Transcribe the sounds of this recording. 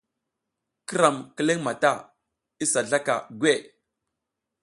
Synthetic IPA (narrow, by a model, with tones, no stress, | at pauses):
kə˦ɾa˨mkə˦le˦ŋma˨ta˦˨ | i˦sa˨ɮa˦ka̰˨ɡwe˦˨